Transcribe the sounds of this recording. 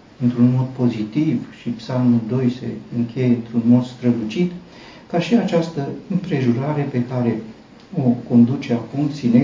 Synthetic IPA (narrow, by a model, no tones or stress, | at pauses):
ɨnt̪ɾunmo̞d̪̚po̞zit̪ivʃipsalmuld̪o̞jse̞̰ɨŋkʲe̞jeɨnt̪ɾunmo̞d̪st̪ɾəlut͡ʃit̪ | kaʃiat͡ʃast̪əɨmpɾe̞ʒuɾaɾe̞pe̞kaɾe̞ | o̞ko̞nd̪ut͡ʃe̞akumt̪sine